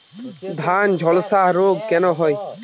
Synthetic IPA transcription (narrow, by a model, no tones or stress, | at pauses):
d̪ʱand͡ʑʱɔlsaɦɾoɡ̚kɛnoɦɔj